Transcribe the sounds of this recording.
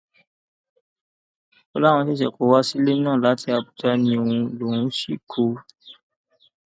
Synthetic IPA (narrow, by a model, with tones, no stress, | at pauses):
ɔ˧la˦w̃ɔ̃˧te˦ʃɛ˨ko˨˦wa˦si˦le˦nã˦˨la˨˦ti˧˦a˧bu˨ta˧˦nĩ˧o˧ũ˧lo˨ɾũ˨˦ʃi˦˨kʰo˨˧